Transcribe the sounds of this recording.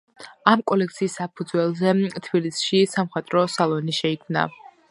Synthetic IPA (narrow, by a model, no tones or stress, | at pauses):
amkʼɔlɛk̚t̪sʰiːsːapʰud̪zwɛlˠzɛt̪ʰbilisʃisamχɛt̪ʼɾɔsalˠɔniʃɛikʰmna̰